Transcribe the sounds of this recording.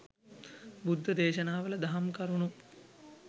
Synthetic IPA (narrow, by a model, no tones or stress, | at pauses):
bud̪ʱːəd̪eːʃɐnaːʋəlɐd̪aɦamkɐɾunu